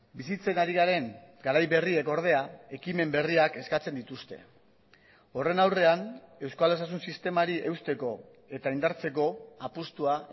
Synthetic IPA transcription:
bisit͡se̞naɾiɣaɾe̞ŋɡaɾajβe̞rie̞ko̞ɾð̞e̞ae̞kime̞mbe̞riake̞skat͡send̪it̪ust̪e̞̰ | o̞re̞nawre̞ane̞wskale̞s̬as̬unsist̪e̞maɾiʔe̞wst̪e̞ko̞ | e̞t̪aind̪aɾt͡se̞ko̞apust̪ua

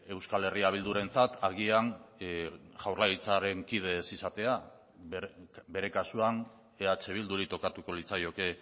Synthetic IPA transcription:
e̞wskale̞riaβ̞ild̪uɾe̞nt͡sat̪aɣian | ʝawrlait͡saɾe̞ŋkið̞e̞sisat̪e̞a | be̞ɾe̞kasuan | e̞at͡ʃe̞β̞ild̪uɾit̪o̞kat̪uko̞lit͡sajo̞ke̞

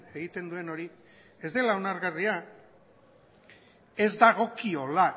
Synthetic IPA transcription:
eɣit̪e̞nd̪ue̞no̞ɾi | e̞zd̪e̞lao̞naɾɣaria | e̞zd̪aɣ̞o̞kio̞la

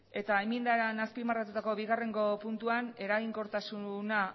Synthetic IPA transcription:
e̞t̪aemind̪aɾanaspimarat̪ut̪ako̞βiɣare̞ŋɡo̞punt̪uane̞ɾaɣiŋko̞ɾt̪asuna

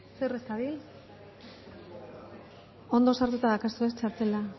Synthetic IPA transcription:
serest̪aβil | o̞nd̪o̞saɾt̪ut̪aðakasuest͡ʃaɾt̪e̞la

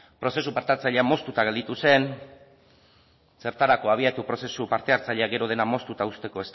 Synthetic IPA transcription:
pɾo̞se̞supaɾt̪at͡saʎeamo̞st̪ut̪aɣeld̪it̪use̞n | se̞ɾt̪aɾako̞aβ̞iat̪upɾo̞se̞supaɾt̪e̞aɾt͡saʎeaɡe̞ɾo̞ðe̞namo̞st̪ut̪aust̪e̞ko̞e̞st̪

